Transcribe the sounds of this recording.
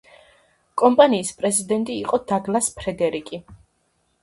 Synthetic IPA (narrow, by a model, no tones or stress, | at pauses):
kʼɔmpʼaniːspʼɾɛzid̪ɛnt̪ʼiːqʼɔd̪aɡlaspʰɾɛd̪ɛɾikʼi